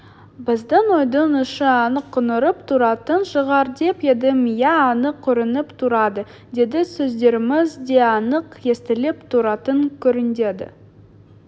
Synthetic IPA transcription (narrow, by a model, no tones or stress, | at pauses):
bɪzd̪ənwojd̪ənʏʃəɑnəqʰːʊnəɾəpt̪ʰuɾɑt̪ənʃəʁɑɾd̪e̞pe̞d̪ɪmijæːnəqʰːɵɾɪnəpt̪ʰuɾɑd̪ə | d̪e̞d̪ɪsɵzd̪e̞ɾɪmɪzd̪e̞ɑnəqe̞st̪ɪlɪpt̪ʰuɾɑt̪əŋkʲʰɵɾɪnd̪e̞d̪ɪ̰